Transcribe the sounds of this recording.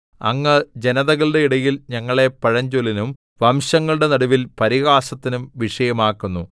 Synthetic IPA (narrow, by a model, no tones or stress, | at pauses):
ɐ̰ŋːɐd͡ʑenɐðɐɣɐɭɨɽe̞iɽɐjilɲɐŋːɐɭe̞pɐɻɐɲd͡ʑolinum | ʋɐmɕɐŋːɐɭuɽe̞nɐɽuʋilpɐɾiɣaːsɐt̪ːinumʋiʂɐjɐmaːkːunːu